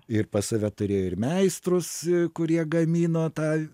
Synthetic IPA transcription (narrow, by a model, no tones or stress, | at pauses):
ɪrpɐsɐʋʲɛt̪ʊɾʲeːjoːɪɾmʲɛɪst̪ɾʊskʊɾʲiɛɡɐmʲiːnoːt̪ɑː